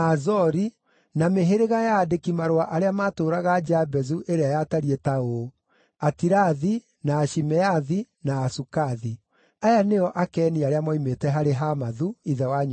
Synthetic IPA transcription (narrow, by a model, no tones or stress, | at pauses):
azɔɾi | nameɦeɾeɣajaːdekimaɾowaʔaɾeamaːtoːɾaɣad͡ʒabɛzuʔeɾeajataɾiɛtao | atiɾaði | naːʃimɛaði | naːsukaði | ajanejɔʔakɛːniaɾeamɔimetɛɦaɾeɦamaðuiðɛwaɲ